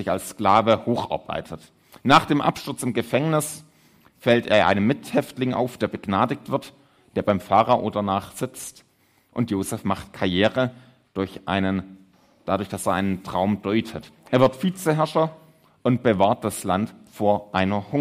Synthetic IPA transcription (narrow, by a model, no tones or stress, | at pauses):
zɪça̰lsklaːvəhoːxʔa̰ɐb̥a̰ɪtʰət | naːχd̥eːmʔa̰pʃtʊɐt͡sɪmɡəfɛŋnɪs | fɛlteːɐʔa̰ɪnəmːɪthɛftlɪŋʔa̰ʊfd̥eːɐbəɡnaːdɪk̚tv̥ɪɐt | d̥eːɐbaɪmfaːʁɐʔoːdɐnaːχz̥ɪt͡st | ʔʊntjoːzɛfmaχtkʰaɐjɛːʁə | d̥ʊɐçʔa̰ɪnən | d̥adʊɐçd̥aseːɐʔaɪnəntʁ̥aʊmd̥ɔʏtʰətʔeːɐvɪɐtfiːt͡səɦɛɐʃɐ | ʔʊnt̚b̥əvaːɐt̚d̥aslantfoːɐʔaɪnɐhʊŋ